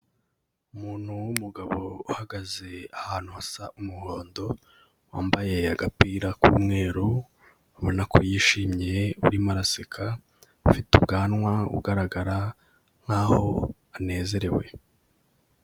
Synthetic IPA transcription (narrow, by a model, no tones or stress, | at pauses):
umuːn̥huwumuɡaβo̞uhaɡaze̞ahaːn̥huhasaʔumuho̞ːndo̞ | waːmbaje̞aɡapiːɾakuːmŋe̞ːɾu | aβonakʰojiːʃiːmɲeuɾimaɾasekʰa | fitubɡaːnŋwaṵɡaɾaɡaɾa | n̥haho̞̰ | ane̞ːze̞ɾe̞we̞̰